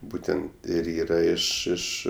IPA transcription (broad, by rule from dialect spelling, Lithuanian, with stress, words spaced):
ˈbuːtʲɛnt ɪr ˈiːrɐ ˈɪʃ ˈɪʃ